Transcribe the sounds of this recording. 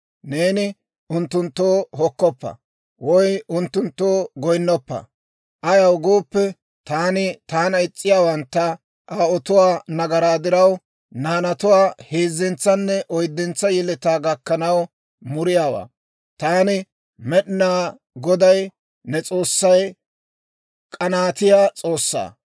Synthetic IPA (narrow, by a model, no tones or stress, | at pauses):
ne̞ːnɪ | ʊnt̪ːʊnt̪ːoːɦɔkːɔpːɐ̰ | wɔjʊnt̪ːʊnt̪ːoːɡɔjnːɔpːɐ̰ | ʔɐjɐwɡo̞ːpːɛ | t̪aːnɪt̪aːnɐɪt͡sʼːɪjaːwɐnt̪ːɐ | ʔaːɔt̪ʊwaːnɐɡɐɾaːd̪ɪɾɐw | naːnɐt̪ʊwaːheːzːɛnt͡sːɐnːɛʔɔjd̪ːɛnt͡sːɐjɛlɛt̪aːɡɐkːɐnɐw | mʊɾɪjaːwa̰ː | t̪aːnɪ | mɛɗɪnaː | ɡɔd̪ɐj | nɛt͡sʼo̞ːsːɐj | kʼɐnaːt̪ɪjaːt͡sʼo̞ːsːa̰ː